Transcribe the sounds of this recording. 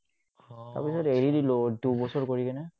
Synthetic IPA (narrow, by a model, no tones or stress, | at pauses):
ta̰ɹpisɔteɹidilodubɔsɔɹkoɹikɛnɛ